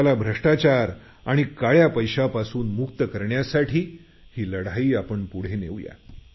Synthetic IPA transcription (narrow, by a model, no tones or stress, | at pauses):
alabʱɾəʂʈat͡ɕaɾ | aɽ̃ikaɭjapəjɕapasuːnmukt̪əkəɾɳjasaʈʰiː | hiːləɽaiːapəɳpuɽ̤eneʋja̰